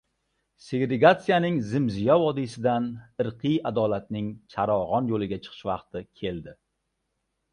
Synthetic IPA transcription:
se̞ɡɾeɡat̪sijanɪŋzɪmzɪjɒvɒd̪isɪd̪anɨɾqʰɨjad̪ɒlat̪̚nɪŋt͡ʃʰaɾɒʁɒnjolɪɡʲat͡ʃʰɨ̥qʰɨ̥ʃvɑqt̪ʰɪkʲʰe̞ld̪ɪ

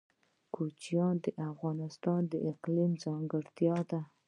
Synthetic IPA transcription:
kot͡ʃijɑnd̪əʔafɣɑnɪst̪ɑnd̪əʔɪqlimzɑŋɡɪɽt̪jɑd̪a

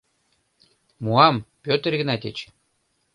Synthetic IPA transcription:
muɑmpʲøt̪ərʲiɣnɑt̪et͡ɕ

